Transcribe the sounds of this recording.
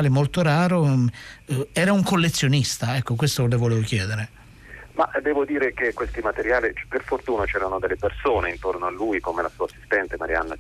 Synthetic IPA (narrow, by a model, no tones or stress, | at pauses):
lemolt̪oɾaːɾo | ɛːɾauŋkolːet̪sːjonist̪aɛkːokwest̪olevoleːvok̟jɛːd̪eɾe | maʔd̪ɛːvod̪iːɾekekːwest̪imat̪eɾjaːliperfort̪uːnot͡ʃɛːɾanod̪elːepersoːneint̪ornoalːuːjkomelasuːasːi̥st̪ɛnt̪emaɾia̰nːa